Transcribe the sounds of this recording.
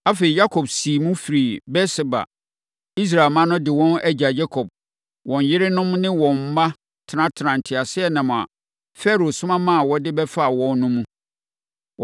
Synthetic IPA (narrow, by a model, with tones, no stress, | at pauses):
a˦fe˨i˨ja˦kʰɔ˨bsiː˨mũ˦fi˨ɾi˨bɛ˦sɪ˨ba̰˨ | i˦s̬ɾa˨lmã˦nʊ̃˦dɪ˨wɔ̃˦næ˦d͡ʑa˨d͡ʑɛ˦kʰɔ˨b̥̚ | wɔ̃˨n˨jɪ˦ɾɪ˦nʊ̃˦mnɪ̃˦wɔ̃˨m̩˨˦ma˦ | tʰɪ˨nã˦tʰɪ˨nã˨n̩˨tʰɪ˨a˨sɪ˦ɛ˨nã˨mʊ̃˨a̰˨ | fɛ˦ɾo˨sʊ̃˦mã˦mã˦a˨wɔ˦dɪ˦bɛ˦fa˦˨wɔ̃˦n˦nʊ̃˦mũ˦